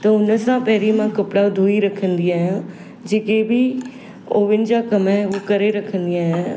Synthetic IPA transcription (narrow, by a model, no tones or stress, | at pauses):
t̪əʊnəsãːpɛːɾiːmãːkəpɽaːd̪uːiːɾəkʰənd̪ɪjãːɦãː | d͡ʒeːkeːbiː | oːʋɪnd͡ʒaːkəmɛːoːkəɾeːɾəkʰə̃nd̪ɪjãːɦɛ̃ː